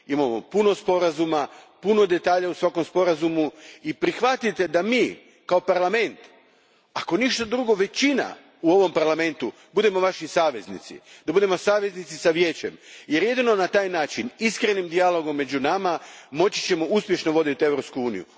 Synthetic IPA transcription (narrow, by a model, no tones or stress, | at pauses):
imamo̞̰puno̞spo̞ɾazumapuno̞d̪e̞t̪aːʎausʋako̞mspo̞ɾazumuipɾixʋat̪it̪e̞d̪amiː | kao̞paɾlˠame̞nt̪ | ako̞niʃt̪od̪ɾuɡo̞ʋe̞t͡ɕina̰ | uo̞ʋo̞mpaɾlˠame̞nt̪u | bud̪emo̞ʋaʃisaːʋe̞znḭt̪sḭd̪̥abud̪e̞mo̞saːʋe̞znit̪sisaʋje̞ːt͡ɕe̞mje̞ɾje̞d̪ino̞nat̪aːjnaːt͡ʃiniskɾe̞nimd̪ialˠo̞ɡo̞mːe̞d͡ʑunamamo̞t͡ɕi̥t͡ɕe̞mo̞uspje̞ʃno̞ʋo̞d̪it̪ie̞ʋɾo̞pskuuːnijṵ